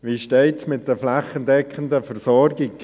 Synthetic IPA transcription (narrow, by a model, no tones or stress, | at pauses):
ʋiʃteɪtsmɪt̚d̥əflaχəndɛkχəndəfəɾsɔɾɡɪk